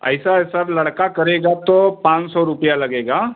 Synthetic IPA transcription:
ə̰jsasaɾləɽkakəɾeɡat̪ɔpãt͡ʃsɔɾupjaləɡeːɡa

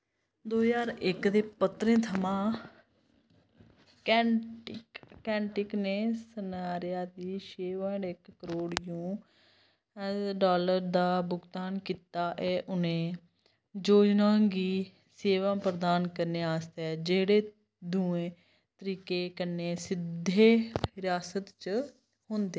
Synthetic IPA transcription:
d̪oːjaːɾɪkd̪eːpət̪ɾẽːt̪ʰəmãː | kɛːʈɪkkɛ̃ːɳʈɪkneːsənaːɾɪjaːd̪iːʃeːʋəɳɪkːəɾoːɽjũː | ɖaːləɾd̪aːbʊɡt̪aːnkiːt̪aːʔɛːʔʊnẽː | d͡ʒoːd͡ʒnãːɡiː | seːʋãːpɾəd̪aːnkəɾneːaːst̪ɛːd͡ʒeːɽeː | d̪ũːẽː | t̪əɾiːkeːkəneːsɪd̪ʱːeːɦɪɾaːsət̪t͡ʃ | hʊ̃nd̪eː

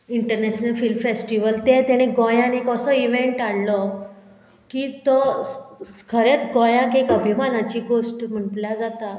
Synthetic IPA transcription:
iɳʈəɾnɛɕnəlfilmfesʈiʋəlt̪et̪ɛɽ̃eɡɔjãnekəsɔiʋeɳʈaɽlɔ | kiːt̪ɔ | kʰəɾet̪ɡɔjãkekəbʱimanat͡ɕiːɡosʈm̤əɳʈlad͡zat̪a

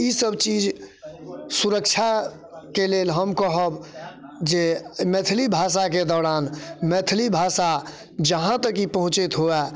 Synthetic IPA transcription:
isəbt͡ʃiːd͡ʒ | suɾəkt͡ʃʰa | keleːlɦəmkɔɦəbd͡ʒemet̪ʰlibʱaːs̬aked̪ɔːɾaːnmeːt̪ʰlibʱaːsa | d͡ʒəɦãt̪əkipəɦʊ̃t͡ʃet̪ɦoɛː

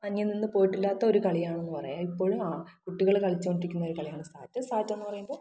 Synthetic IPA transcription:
ɐɲːɐninːɨpo̞ːjiʈːilːaːt̪ːɐo̞ɾukɐɭijaːɳenːupɐrɐ̰jaːlipːo̞ːɭumaːkuʈːiɣɐɭkɐɭit͡ɕːuoɳɖiɾikʲːunːɐoɾukɐɭijaːɳɨst̪aːtːɨst̪aːtːe̞nːɨpɐrɐjumboː

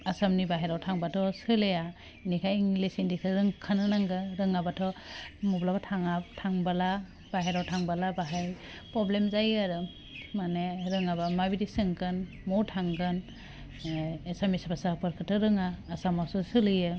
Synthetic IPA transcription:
asamnibaɦeɾawtʰaŋbatʰɔsɯleja | inikʰajŋlesindikʰɯɾɯŋkʰanɯnaŋɡɯɾɯŋabatʰɔmɔblabatʰaŋaptʰaŋbala | b̥aɦeɾawtʰaŋbalabaɦaj | pɾɔblemzajaɾɯ | maneɾɯŋabamabidisɯŋkʰɯn | mɔtʰaŋkʰɯn | samisbasapɯɾkʰɯtʰːɯɾɯŋaːsamawsɯsɯlɯjɯ

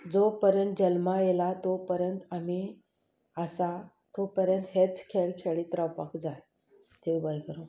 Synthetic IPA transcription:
d͡zopəɾjənt̪̚d͡ʑəlmajelat̪opəɾjənt̪ami | əsa | t̪opəɾjənt̪ɦet͡skʰeɭkʰeɭit̪ɾəpəkd͡zaj | t̪eʋibajkəɾo

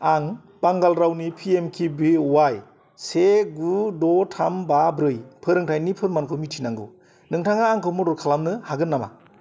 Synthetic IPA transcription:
aŋ | b̥aŋɡalɾawnipʰiemkʰibiwaj | seɡudɔtʰambabɾɯjpʰɯɾɯŋtʰajnipʰɯɾmankʰɯmitʰinaŋɡɯ̰ | nɯŋtʰaŋaːŋkʰɯmɯdɔɾkʰalamnɯhaɡɯnːama̰

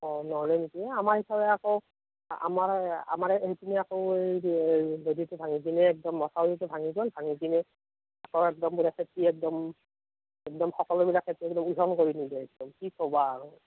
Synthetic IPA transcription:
ɔnɔlɛnikiamaɹhisabɛakow | a̰maɹa̰maɹetinɛakoʊejzoditʊbʱaŋiɡinɛːk̚dɔmːɔsʰaitubʱaŋizɔnbʱaŋiɡinɛ | akɔwɛk̚dɔmbulakʰetɹiɛk̚dɔm | ɛk̚dɔmxɔkɔlɔbilakʰːetiɛk̚dɔmuzɔnkoɹinilɛɛk̚dɔmtʰikobaːɹɔ

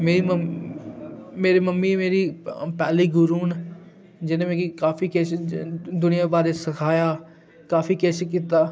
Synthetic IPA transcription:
meːɾim | meːɾiːməmːimeːɾiːpɛːliːɡʊɾuːn | d͡ʒɪnẽmẽːkikaːfiːkeːsd̪ʊnɪjaːbaːɾesɐkʰaːjaː | kaːfiːkeːsekit̪aː

